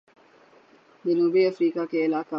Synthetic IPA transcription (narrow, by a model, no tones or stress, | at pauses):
d͡ʒɐnuːbiːɐfɾiːkaːkeɪlaːka